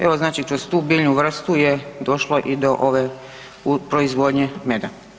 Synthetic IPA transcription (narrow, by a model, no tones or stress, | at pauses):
eʋo̞znaːt͡ʃikɾost̪uːbiːʎnuʋr̩st̪ujed̪o̞ʃloʔid̪o̞ʔoʋe | upɾoizʋod̪ɲemed̪a